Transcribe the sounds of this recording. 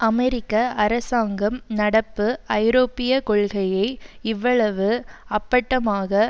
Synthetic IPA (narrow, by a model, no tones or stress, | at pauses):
ʔɐmɛɾɪkːɐʔɐɾɐsaːŋɡɐmnɐɽɐpːɯɐɪɾoːpːɪjɐkɔɭɣɐjɐɪɪʋːɐɭɐʋɯɐpːɐʈːɐmaːɣɐ